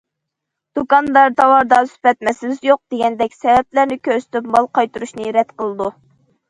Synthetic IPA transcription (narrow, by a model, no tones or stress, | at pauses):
d̪̥ukɑnd̪ɑɾd̪ɑwɑɾd̪ɑspɛt̪̚mɛsɪzjoq̚d̪̥eɡʲɛnd̪ɛkʲsɛvɛp̚læɾnɪkʲʰøɾsɪ̥t̪yp̚mɑlˠqʰɑjt̪uɾuʃnɨɾɛt̪qəlˠɨd̪u